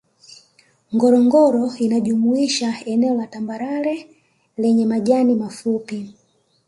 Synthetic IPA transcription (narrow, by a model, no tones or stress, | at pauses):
ŋɡɔɾɔŋɡɔɾɔinaʄumuiʃaɛnɛɔlatambaɾalɛ | lɛɲɛmaʄanimafupi